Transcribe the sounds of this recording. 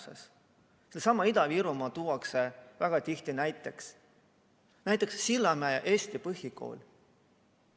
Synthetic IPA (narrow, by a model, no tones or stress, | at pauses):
sḛs | selːsɑmɑid̪̥ɑviːɾumɑt̪uːwɑksevæɡ̥ɑt̪iht̪inæjt̪ˑːe̞ks | næjt̪ːˑe̞ksːilːɑmæjɑʔeːst̪ipɤɦjiko̞̰ːlʲ